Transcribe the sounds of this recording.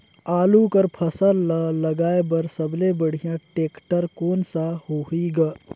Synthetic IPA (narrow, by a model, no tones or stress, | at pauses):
aːlukəɾpʰəsəlːələɡaːebəɾsəblebəɽ̤ijãʈeːkʈəɾkoːnsahoiɡa